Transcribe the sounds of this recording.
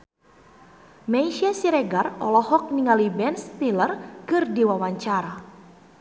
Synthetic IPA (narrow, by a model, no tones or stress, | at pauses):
mɛiʃiasiɾɛɡarɔ̰lɔhɔk̚niŋalibɛnst̪ilərkɨrdiwawaɲt͡ʃaɾa